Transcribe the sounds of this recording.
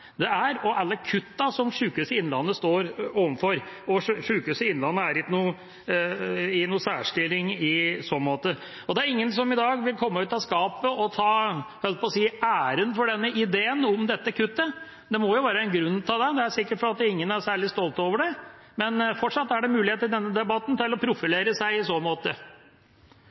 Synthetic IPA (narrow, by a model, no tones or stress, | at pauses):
d̪ɛæɾɔʔɑlːəkʰʉt̪ːɑsɔmʂʉːkʉsəɪnlɑ̰nːəst̪oːɾoːʋənfɔɾɔʂʉːkʉsəɪnlɑnːəæɾɪnuː | ɪnuːsæːʂʈɪlːɪŋɪsɔnmoːt̪ə | ɔd̪ɛæɾɪŋːəns̬ɔmɪd̪ɑːɡʋɪlkʰɔmːəʉːt̪ɑskɑːpəɔt̪ʰɑːhœl̚pʰɔːsiːæːɾənfɔɖɛnːəʔɪd̪eːənɔmd̪ɛt̪ːəkʰʉt̪ːə | d̪ɛmɔjʊʋæːɾəɛnɡɾʉnːt̪ʰɑːd̪ɛd̪ɛæsɪkːəʈfɔɾɑt̪ɪŋːənæsæːɭɪst̪ɔlt̪oːʋəɖɛmɛnfɔʈʂɑt̪ːæɖɛmʉːlɪheːt̪əɾd̪ɛnːəd̪ɛbɑt̪nt̪ɪlɔpʰɾʊfɪleːɾəsæɪɪsoːnmoːt̪ə